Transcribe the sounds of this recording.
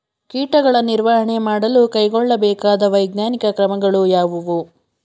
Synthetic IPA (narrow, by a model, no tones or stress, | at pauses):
kiːʈɐɡɐɭɐniɾʋaɦɐɳe̞maːɽɐlukɐjɡɔɭːɐbɛːkaːd̪ɐʋɐjɡnaːnikɐkɾɐmɐɡɐɭujaːʋuʋu